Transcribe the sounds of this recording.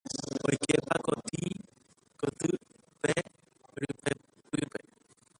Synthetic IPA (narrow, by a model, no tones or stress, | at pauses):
ojkepakot̪i | kot̪ɨ | pe | ɾɨpe | pɨpe